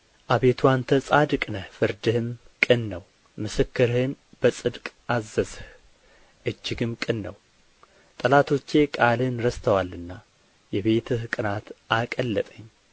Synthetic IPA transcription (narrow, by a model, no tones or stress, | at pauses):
ʔaβe̞t̪ʰuwant̪ʰəsʼad̪ɨkʼnəfɨɾd̪ɨhɨm | kʼɨnːəw | mɨsɨkːɨɾhɨnb̥əsʼɨd̪kʼazːəzh | ʔɨd͡ʒːɪɡɨmkʼɨnːəw | t̪ʼəlat̪ʰo̞t͡ʃːe̞kʼalɨnɾəst̪ʰəwalːɨnːa | jɛβe̞t̪ʰɨhkʼɨnat̪akʼəlːət̪ʼəɲː